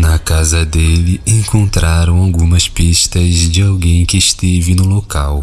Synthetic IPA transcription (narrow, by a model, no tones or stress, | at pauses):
nɐkazɐd̪elɪẽŋkõnt̪ɾaɾɐ̃w̃awɡũmɐspiʃt̪ɐzd͡ʒɪawɡẽj̃kɪːʃt̪evɪnʊlokaw